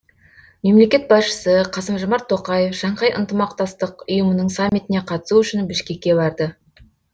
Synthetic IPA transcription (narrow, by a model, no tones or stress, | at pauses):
me̞mle̞kʲe̞t̪̚bɑsʃə̥səqʰɑsəmʒomɑɾt̪ʰːo̞qɑje̞fʒɑɴqɑjʔə̰nt̪əmɑqt̪ɑst̪əqʊjəmənəɴsamːit̪ɪne̞qʰɑt̪ə̥suʏʃɪnbɪʃkʲe̞kʲːe̞bɑɾd̪ə